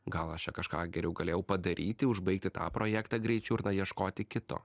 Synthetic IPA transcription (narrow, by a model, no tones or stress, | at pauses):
ɡɐlˠɐʃt͡ʃʲɛkɐʃkɑːɡʲɛɾʲɛʊɡɐlʲeːjɛʊpɐd̪ɐɾʲʔiːt̪ʲɪʊʒbɐɪk̚t̪ʲɪt̪ɑ̰ːpɾoːjæːkt̪ɑɡɾʲɛɪt͡ʃʲɛʊɾnɐjiɛʃkoːt̪ʲɪkʲɪt̪o̰ː